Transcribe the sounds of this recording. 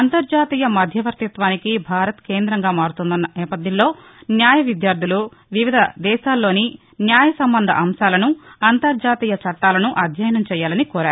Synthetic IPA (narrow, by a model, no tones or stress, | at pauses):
ɐnt̪ɐɾd͡ʒaːt̪iːjɐmɐd̪ʱjɐʋɐɾt̪ɐt̪ʋaːnikibʱaːɾɐt̪ke̞ːnd̪ɾɐŋɡaːmaːɾut̪und̪ɐnːɐʔɛːpɐd̪ʱjɐnlːo̞ː | njaːjɐʋid̪jaːɾd̪ʱilu | ʋiʋid̪ʱɐd̪ɛːʃaːlːo̞ːni | njaːjɐsɐmbɐnd̪ʱɐ̰ʔɐmʃaːlɐnuɐnt̪ɐɾd͡ʒaːt̪iːjɐt͡ʃɐʈːaːlɐnuʔɐd̪ʱjɐːjɐnɐmt͡ʃɛːjaːlɐnikɔːɾaːɾu